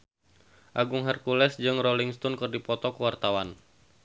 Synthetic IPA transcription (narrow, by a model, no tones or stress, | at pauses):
ʔaɡuŋɦɛrkulɛsd͡ʒɨŋroliŋst̪ɔnkɨrdipɔt̪ɔkuwart̪awan